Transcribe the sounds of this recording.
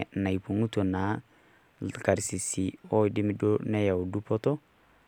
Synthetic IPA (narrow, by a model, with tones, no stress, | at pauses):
na˨i˨pu˨ŋu˦to˨na˨˦˨ | ka˨ɾsi˨si˨ɔ˦dɪ˦mɪ˦do˦nɛ˦ja˨o˨du˦pɔ˦tɔ˦